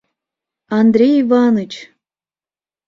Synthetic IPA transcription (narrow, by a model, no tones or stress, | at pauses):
ɑnd̪ɾʲejivɑnot͡ɕ